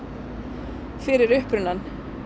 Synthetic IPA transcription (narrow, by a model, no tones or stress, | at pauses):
fɪɾɪɾʏhpɾʏnːan